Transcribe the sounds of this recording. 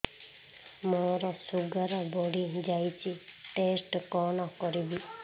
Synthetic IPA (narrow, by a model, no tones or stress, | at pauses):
mɔɾɔsuɡaɾɔbɔɽid͡ʒajt͡ʃʰiʈesʈkɔnɔkɔɾibi